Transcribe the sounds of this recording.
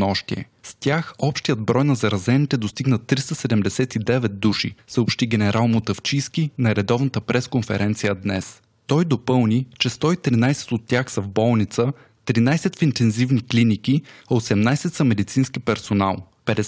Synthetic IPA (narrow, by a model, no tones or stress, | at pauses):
nɔʃt̪iɛ̰ | st̪ʲaxɔpʃt̪ijəd̪bɾɔjnɐzɐɾɐzɛnit̪ɛd̪ost̪iɡnət̪ːɾist̪əsɛd̪ɛmd̪ɛsɛt̪id̪ɛvɛt̪̚d̪uʃḭsəopʃt̪iɡʲɛnɛɾʔalˠmot̪əft͡ʃiskinɐɾɛd̪ɔvnət̪əpɾɛskonfɛ̰ɾɛnt̪sijəd̪nɛs | t̪ɔjd̪opɤlˠnit͡ʃɛst̪ɔit̪ɾinajsɛ̥t̪ot̪ːʲjaxsɐvbɔlˠnit̪sə | t̪ɾinajsɛt̪fint̪ɛnzivniklinikiɐosɛmnajsɛt̪sɐmɛd̪it̪sinskipɛɾsona̰lˠ | pɛd̪ɛ